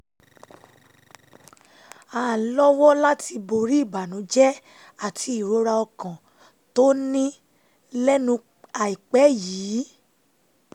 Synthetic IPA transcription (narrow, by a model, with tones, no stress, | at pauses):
a˨lɔ˦wɔ˦la˦ti˧bo˧ɾi˦i˦˨ba˨nũ˨˦d͡ʒɛ˦ | a˦˨tʰi˧i˨ɾo˨˧˦ɾa˧ɔ˧kã˨ | to˦nĩ˦ | lɛ˦nũ˧ | a˨i˨k͡pɛ˨˦jiː˨˦